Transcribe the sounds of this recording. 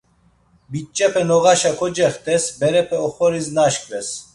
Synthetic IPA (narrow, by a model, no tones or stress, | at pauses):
bit͡ʃʼːɛpʰɛnɔɣaʃakʰɔd͡ʒɛχt̪ʰʼɛsbɛɾɛpʰɛɔχɔɾiznaʃkʼɾɛs